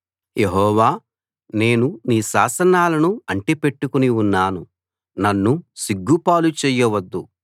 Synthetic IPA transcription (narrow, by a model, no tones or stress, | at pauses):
jeɦɔːʋaː | ne̞ːnuniːʃaːsɐnaːlɐnuɐɳʈipe̞ʈːukuniunːaːnu | nɐnːusiɡːupaːlut͡ʃɛːjɐʋɐd̪ːu